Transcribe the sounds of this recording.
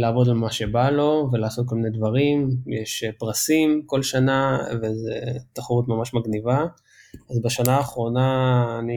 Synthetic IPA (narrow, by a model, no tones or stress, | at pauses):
laːvo̞d̪almaʃe̞balo̞velasot̚kolmined̪vaʁimjeʃpʁasimko̞lʃanavezet̪aχaʁut̪mamaʃmaɡniva | azbeʃanaːχʁo̞naːni